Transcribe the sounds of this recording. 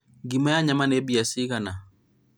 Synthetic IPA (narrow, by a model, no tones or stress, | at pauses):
ɡimajaɲamanɛbijasiɣana